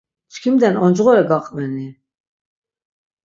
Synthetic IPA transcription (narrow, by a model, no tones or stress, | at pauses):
t͡ʃkʰimd̪ɛnɔnd͡ʒʁɔɾɛɡaqʼvɛni